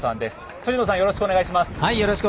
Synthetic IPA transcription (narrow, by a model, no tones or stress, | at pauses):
sãnd̪e̞sɨ̥ | t̪od͡ʑinos̬ãjo̞ɾo̞ɕi̥kɯoneɡaiɕimasɨ̥haijo̞ɾo̞ɕi̥kɯ